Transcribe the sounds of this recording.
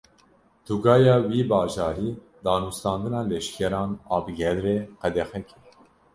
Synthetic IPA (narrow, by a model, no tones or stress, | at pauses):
t̪uɡɑːjɑːwiːbɑːʒɑːɾiː | d̪ɑːnust̪ɑːnd̪ɨnɑːlɛʃkʰɛɾɑːnɑːbɨɡɛlɾeːqɛd̪ɛxɛkʰɛ̥